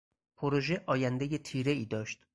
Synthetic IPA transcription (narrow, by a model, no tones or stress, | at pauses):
pʰoɾoʒe̞ʔɒːjænd̪eje̞t̪ʰiːɾe̞iːd̪ɒːʃt̪